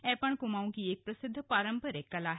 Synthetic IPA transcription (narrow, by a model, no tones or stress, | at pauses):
ɛ̃ːpɐɳ̃kʊmaːũkieːk̚pɾɐsɪd̪ʱːpaːɾə̃mpəɾekːɐlaːɦ